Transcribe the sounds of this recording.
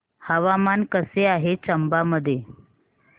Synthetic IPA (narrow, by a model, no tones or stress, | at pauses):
həʋamankəseaɦet͡ɕəmbaməd̪ʱːje